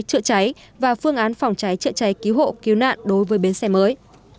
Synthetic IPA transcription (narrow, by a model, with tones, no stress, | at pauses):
t͡ɕɨ̰˧˨ət͡ɕa˨˦j | vaː˨˩fɨ˧əŋʔaː˨˦nfɔ˨˩wŋ͡mt͡ɕa˨˦jt͡ɕɨ̰˧˨t͡ɕa˨˦jki˨˦wɦo̰˧˨ki˨˦wna̰ː˧˨nɗo˨˦jvəː˨˦jɓe˨˦nsɛ˧məː˨˦j